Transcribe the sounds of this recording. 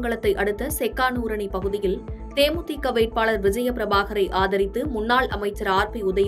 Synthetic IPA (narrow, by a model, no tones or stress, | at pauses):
ŋɡɐɭɐt̪ːɐɪʔɐɽɯt̪ːɐsɛkːaːnuːɾɐɳipɐɣɯðɪjɪlt̪eːmʊt̪ːikːɐʋeːʈ̚paːɭɐɾʋɪd͡ʒɐjɐpɪɾɐbaːɣɐɾɐɪʔaːðɐɾɪt̪ːɯmʊnːaːɭʔɐ̰mɐɪt͡ʃːɐɾaːɾpiʊðɐj